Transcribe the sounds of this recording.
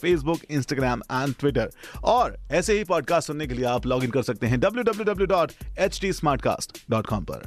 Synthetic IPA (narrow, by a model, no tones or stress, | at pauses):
feːsbʊkɪ̃nsʈaːɡɾɛːmɛ̃ːɳɖʈʋɪʈəɾɔːɾɛːseɦipɔːɖ̚kaːsʈsʊnːekelieaːplɔːɡɪ̃nkɐɾsɐk̚t̪eɦɛ̃ɖɐbljuɖɐbljuɖɐbljuɖɔːʈeːt͡ʃɖiːsmaːɾʈka̰ːsʈɖɔːʈkɔːmpɐ̰ɾ